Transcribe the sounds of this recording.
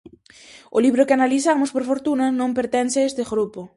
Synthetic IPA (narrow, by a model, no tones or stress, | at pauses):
oliβ̞ɾokɪanaliθamʊspoɾfoɾt̪unanõmpeɾt̪enseest̪eɣɾupo